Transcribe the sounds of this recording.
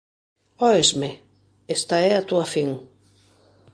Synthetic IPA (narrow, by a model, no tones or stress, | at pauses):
ɔezme | est̪aɛat̪uafiŋ